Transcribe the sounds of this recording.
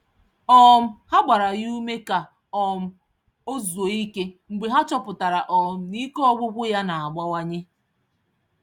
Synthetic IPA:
ɔ˦m̩˦ha˦ɡ͡ba˨ɾa˨ju˦me˦ka˨ | ɔ˨m̩˦ | o˦zo˨i˦ke˦ŋ͡m̩˨ɡ͡be˨ɦa˦t͡ʃɔ˦pʊ˨ta˨ɾa˨ʔɔ˨m̩˦ni˦ke˦ɔ˦ɡʷʊ˦ɡʷʊ˦ja˦na˨a˨ɡ͡ba˦wa˦ɲe˦

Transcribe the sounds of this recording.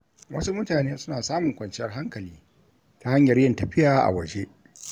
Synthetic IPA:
wʔɐ˦su˦mʊ˦taː˨neː˦sʊ˦naː˨saː˦mʊ˨ŋkʷɐ˨nt͡ʃɪ˦jɐ˦˨rɦa˦ŋkɐ˨liː˦ | ta˦ha˦ɲjɐ˨rjɐ˦ntɐ˨ɸɪ˦jaː˨ʔa̰˨wɐ˨d͡ʒe˦

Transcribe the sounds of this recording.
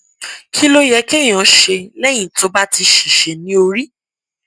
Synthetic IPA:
kʰi˦lo˦jɛ˧ke˦˨j̃ɔ̃˨˦ʃe˧lɛ˦j̃ĩ˦˨to˨˦ba˦ti˧ʃi˨ʃe˨nĩ˦o˧ɾi˦

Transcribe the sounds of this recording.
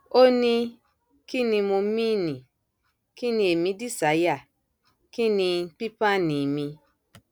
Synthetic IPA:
o˦nĩ˧ | ki˦nĩ˧mo˧mĩ˦˨nĩ˨ | ki˦nĩ˧e˨mĩ˧˦di˦˨sa˨˦ja˦˨ | ki˦nĩ˧˦k͡pi˦pa˦nĩ˨mĩ˧

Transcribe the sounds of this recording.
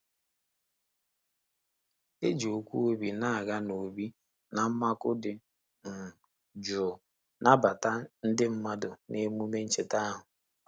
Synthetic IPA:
e˦d͡ʒo˨kʷu˦o˦bi˨na˦a˨ɣa˦no˨bi˦ | na˨m̩˦ma˦kʊ˦dɪ˨ | n̩˨ | d͡ʒʊ˨ | na˦ba˨ta˦n̩˦dɪ˦m̩˦ma˦dʊ˨ne˦mu˦me˦n̩˦t͡ʃɪ˨ta˦a˦ɦʊ˨

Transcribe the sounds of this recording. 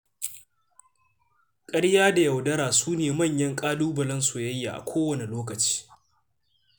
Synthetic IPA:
kʼɐ˦ɽjaː˦da˨jɐ˨wdɐ˦ɾaː˨suː˦neː˨mɐ˦˨ɲjɐ˦ŋkʼaː˦duː˦bɐ˨lɐ˦nso˨jɐ˦jːaː˨ʔa̰˨kʷʰoː˦wɐ˨ne˨loː˦kɐ˨t͡ʃi̥ː˦

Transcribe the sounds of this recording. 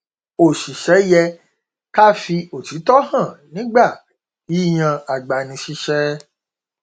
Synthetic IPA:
o˨ʃi˨ʃɛ˨˦jɛ˧ | ka˦fi˧o˨ti˨˦tɔ˦hã˦˨nĩ˨˦ɡ͡ba˦˨ | i˨˦˨j̃ã˧a˨ɡ͡ba˨nĩ˧ʃi˦ʃɛ˦

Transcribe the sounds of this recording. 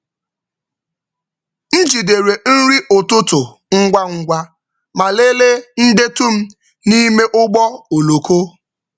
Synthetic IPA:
n̩˦d͡ʒi˨de˨ɾe˨n̩˦ɾi˦ʔʊ˨tʊ˦tʊ˨ | ŋ̩˦ɡʷa˦ŋ̩˦ɡʷa˦ | ma˨le˦le˦n̩˦de˦tu˦m̩˦ | ni˦me˦ʔʊ˦ɡ͡bɔ˦o˨lo˨ko˦

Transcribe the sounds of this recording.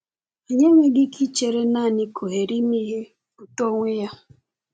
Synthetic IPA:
e˨ɲe˦ŋʷe˦ɡɪ˦kʰi˦t͡ʃe˨ɾe˦na˦˨nɪ˦kʰo˨ɦe˨ɾi˦mi˦ɦe˦ | pu˨to˦ŋʷe˦ja˦

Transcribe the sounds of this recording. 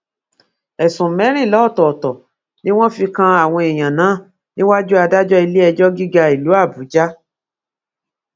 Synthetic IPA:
ɛ˨sũ˨mɛ̃˨˦ɾ̃ĩ˦˨lɔ˨˦˨tɔ˨tɔ˨ | nĩ˦w̃ɔ̃˦fi˧kã˧a˨w̃ɔ̃˧ɛ˨j̃ã˨nãː˨˦˨ | nĩ˦wa˦d͡ʒu˦a˧da˦d͡ʒɔ˦i˧le˦ɛ˧d͡ʒɔ˦ɡi˦ɡa˧i˨lu˨˦a˦˨bu˨˦d͡ʒa˦

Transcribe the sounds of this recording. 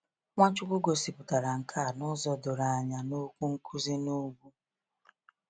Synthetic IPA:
ŋʷa˦t͡ʃʊ˦kʷʊ˦ɡo˨si˨pʊ˨ta˨ɾa˨ŋ̩˨kʰa˦˨nʊ˦zɔ˨do˨ɾa˨ɲa˨no˦kʷu˦ŋ̩˦kʰu˦zi˦no˦ɡʷu˦

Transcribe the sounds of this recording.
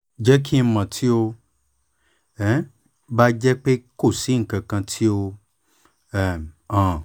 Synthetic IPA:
d͡ʒɛ˦kʰi˦˧˦mã˨tʰi˦o˧ | ɛ˦ | ba˦d͡ʒɛ˦k͡pe˦ko˦˨si˨˦ŋ̩˦˨kã˨kã˧tʰi˦o˧ | ɛ˦˨ã˨

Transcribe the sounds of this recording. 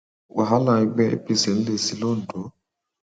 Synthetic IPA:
wʔa˨ɦa˦la˨i˦ɡ͡bɛ˦ḛ˦pi˨se˨n̩˦le˨si˦lo˦˨n̩˨do˨˦

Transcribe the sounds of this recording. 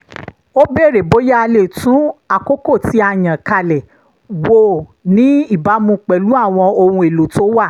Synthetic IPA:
o˦be˦˨ɾe˨bo˨˦ja˦a˧le˦˨tũ˨˦a˨ko˦ko˦˨ti˨˦a˧˨j̃ã˨ka˧lɛ˨ | wo˦˨nĩ˨˦i˦˨ba˨˦mũ˧k͡pɛ˨lu˨˦a˦˨w̃ɔ̃˧o˧hũ˧e˨lo˨to˨˦wa˦˨

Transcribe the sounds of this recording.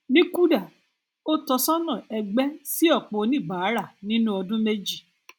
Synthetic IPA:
nĩ˦ku˦da˦˨ | o˦tɔ˧sɔ̃˦nɔ̃˨ɛ˧ɡ͡bɛ˦si˦ɔ˦˨k͡po˨˦nĩ˦˨ba˨˦ɾa˦˨nĩ˦nũ˦ɔ˧dũ˦me˦d͡ʒi˦˨

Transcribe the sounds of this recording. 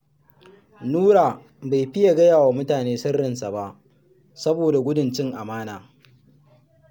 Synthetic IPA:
nuː˦ɾaː˨ | ba˨jɸɪ˦ja˨ɡɐ˦jaː˨waː˨mʊ˦taː˨neː˦sɐ˦rːɪ˨nsa˨ba˦ʔ | sɐ˦boː˨da˨ɡʷʊ˦dʊ˨nt͡ʃɪ˦ŋʔa˨maː˦naː˨

